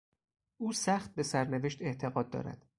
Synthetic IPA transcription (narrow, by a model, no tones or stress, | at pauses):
ʔuːsæxt̪̚be̞sæɾneve̞ʃt̪e̞ʔt̪ʰe̞ɣɒːd̪̚ːɒ̰ːɾæ̰d̪̥